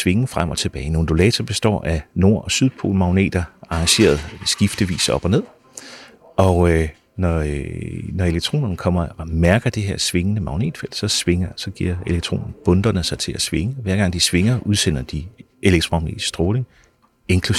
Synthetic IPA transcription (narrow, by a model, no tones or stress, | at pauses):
sʋe̝ŋ̩fʁam̰ɒ̽t͡sʰe̝b̥ɛːɪno̝ːn̩d̥o̝lɛ̰ːt͡sʰɐb̥e̝sd̥ɒ̰ːæno̝ɐ̰ʔɒ̽syð̞ˠpʰo̝̰ːlmɑ̈ʊne̝̰ːd̥ɐɑ̈ɑ̈ŋɕe̝̰ːɐð̩ˠsɡ̥ifd̥əʋḭːsɒ̽b̥ɒ̽ne̝ð̰ˠ | ɒ̽ | nɒ | nɒe̝leɡ̥̚t͡sʰʁo̝̰ːnɐnkʰɒ̽m̰ɐmæɐɡ̥ɐd̥e̝ɦeɐ̰sʋe̝ŋənəmɑ̈ʊne̝̰ːd̥fel̰̥sɒ̽sʋe̝ŋɐsɒ̽ɡ̥ḭɐ̰e̝leɡ̥̚t͡sʰʁo̰ːnn̩b̥ɔ̽nd̥ɐnəsɑ̈ɪt͡sʰe̝læsʋe̝ŋəʋæɐɡ̥ɑ̈ŋ̰d̥isʋe̝ŋɐʔuð̞ˠsen̰ɐd̥i | ʔe̝leɡ̥̚t͡sʁmɑ̈ʊne̝̰ːd̥sd̥ʁoːle̝ŋ | e̝ŋkʰlu